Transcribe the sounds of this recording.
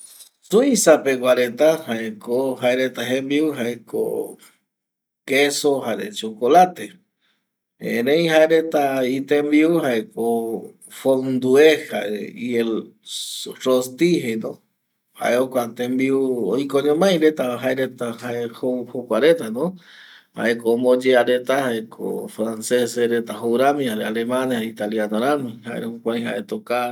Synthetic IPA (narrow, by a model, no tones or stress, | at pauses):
suisapeɡʷaɾet̪ahaekohaeɾet̪aɦẽmbiuɦaeko̰ | kesohaɾḛt͡ʃokolat̪e | ḛ̃ɾẽj̃ɦaeɾet̪ait̪ẽmbiuhaeko | fond̪ueha̰ḛiel | rost̪iɦejnõ | ha̰ʔeokʷat̪embiuojkoɲõmãj̃ɾet̪aɦaeɾet̪ahaehohokʷaɾet̪anõ | ha̰ʔekoːmod͡ʒeaɾet̪ahaekʰo̰fɾanseseɾet̪aɦowɾamĩhaɾealemãnait̪aljanoɾamĩhaeɾhũkʷãj̃ha̰ʔet̪oka